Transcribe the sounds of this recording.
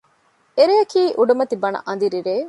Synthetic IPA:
eɾiɐkiːʔuɖumɐt̪ibɐnɐ̰ʔɐnd̪iɾiɾeː

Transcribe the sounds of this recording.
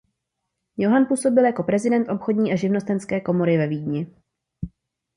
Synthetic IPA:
jo̞ɦanpuːso̞bɪljako̞pɾɛzɪdɛnt̪ʔo̞pxo̞dɲiːʔaʒɪvno̞st̪ɛnskɛːko̞mo̞ɾɪvɛviːdɲɪ

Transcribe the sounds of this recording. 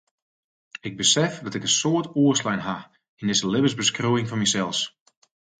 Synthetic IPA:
ɪɡ̚bəsɛfdɔtɪkənsoətuəslɛjnɦa | indɪsəlɪbəsbəskruɪŋfɔnmisɛlˠs

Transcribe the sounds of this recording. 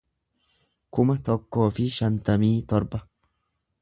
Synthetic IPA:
kʊmɐt̪ɔkːo̞ːfɪʃɐnt̪ɐmiːt̪ɔɾbɐ

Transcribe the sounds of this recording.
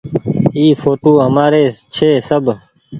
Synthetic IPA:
iːfʰoːʈoːɦəmaːɾeːt͡ʃʰeːsəbʱ

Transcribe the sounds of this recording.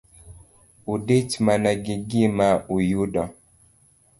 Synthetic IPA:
udetmanaɡiɡimaujuɗɔ

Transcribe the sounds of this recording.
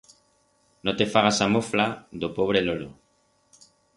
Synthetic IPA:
not̪efaɣasamoflad̪opoβ̞ɾelolo

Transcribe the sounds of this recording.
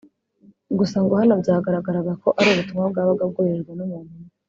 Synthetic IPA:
ɡusaŋɡohanobjaːɡaɾaɡaɾaɡako̞ʔaɾiuβutumŋab̚ɡaːβaɡab̚ɡoβeɾɾɡwenumuːn̥u

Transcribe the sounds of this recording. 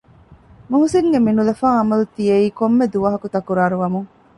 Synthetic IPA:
mɐɦusiŋɡeminulɐfaːɐmɐlut̪ijeiːkomːed̪uʋɐɦɐkut̪ɐkuɾaːɾuʋɐmuŋ

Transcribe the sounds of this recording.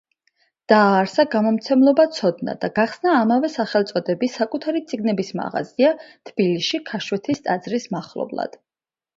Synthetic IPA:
d̪̥aːɾsaɡamɔmt̪sʰɛmlˠɔbat̪sʰɔd̪̚na̰d̪aɡaχsnaːmavɛsaχɛlˠt̪sʼɔd̪ɛbiakʼut̪ʰaɾit̪sʼiɡnɛbisma̰ʁa̰ziat̪ʰb̥iliʃikʰaʃwɛt̪ʰist̪ʼad̪zɾismaχlˠɔ̰blˠa̰d̪̥

